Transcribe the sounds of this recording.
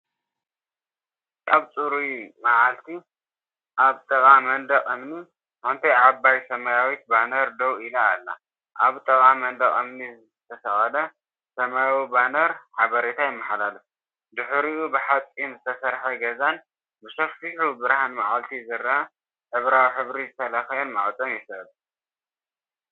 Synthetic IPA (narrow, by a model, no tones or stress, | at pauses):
aβt͡sʼuɾumaʕalt̪ʰi | ʔaβt̪ʼɐkʼamɐnd̪ɐχʼɨmni | ħont̪ʰɐjʕabːajsɐmajawit̪̚banɐɾd̪ɐwilaːlːa̰ | ʔaβt̪ʼɐkʼamɐnd̪ɐkʼɨmnizɨt̪ʰɐsɐχʼɐlɐ | sɐmajawibanɐɾħaβɐɾet̪ʰajɪmːaħalalɐf | d̪ɨħɾiubɨħat͡sʼinzɨt̪ʰɐsɐɾħɐɡɐzan | bɨʃɐfiħubɨɾhanmaʕalt̪ʰizɨɾɐʔa | ħɨβɾawiħɨβɾizɨt̪ʰɐlɐxɐjnmaʕt͡s̪ʼomjɛsɐd̪ʼ